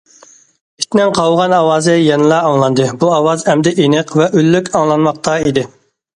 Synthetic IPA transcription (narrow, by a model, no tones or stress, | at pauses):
i̥t̪nɛŋqʰɑwʁɑnɑwɑːzɪjɛnɨlˠɑɑŋlˠɑnd̪ɨbuɑwɑzɛmd̪ɪʔenɨqvɛʔølːykʲɑŋlˠɑnmɑq̚t̪ɑid̪ɪ